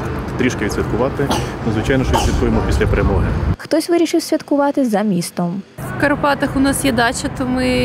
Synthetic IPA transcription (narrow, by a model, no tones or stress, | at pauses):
t̪ɾʲiʃkɪʋid̪sʲit̪̚kʊʋɑt̪ɪnɔzʋɪt͡ʃɑjnɔʃt͡ʃɔit̪sʲʋʲɐt̪̚kujemɔpʲisʲlʲɐpɾʲɛmɔɦɛxt̪ɔsʲʋɪɾʲiʃɪwsʲʋʲɐt̪kʊʋɑt̪ɪzɐmʲist̪ɔmwkɐɾɔpɑt̪ɐxʊnɑsjɛd̪ɑt͡ʃɐt̪ɔmɪ